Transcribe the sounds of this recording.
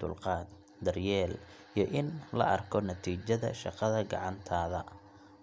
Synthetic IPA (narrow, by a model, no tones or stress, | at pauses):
ʊ̰lqɑːd̪ | d̪ɐrjɛːl | ijʔɪnlɐ̰ʔɐrkʰɔnɐt̪ʰiːt͡ʃɐðɐ̰ʃɑqɑðɐɡɑ̰ʕɑnt̪ʰaːðɐ